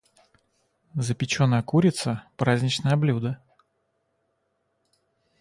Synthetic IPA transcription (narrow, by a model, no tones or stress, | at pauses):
zəpʲɪt͡ɕonəjəkuɾʲɪt̪səpɾazʲnʲɪt͡ɕnəjɐblʲud̪ə